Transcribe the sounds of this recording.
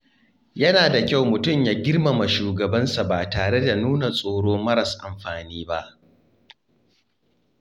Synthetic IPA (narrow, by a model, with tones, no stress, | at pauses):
jɐ˦naː˨da˨kʲa˦wmʊ˨tʊ˦˨mjaː˦ɡʲɪ˦rma˨ma˨ʃuː˨ɡɐ˨bɐ˦nsa˨baː˨taː˨ɽe˦da˨nuː˦na˨sʼoː˨ɽoː˦mɐ˦ɾɐ˨sʔa̰˨mɸaː˨niː˦ba˦ʔ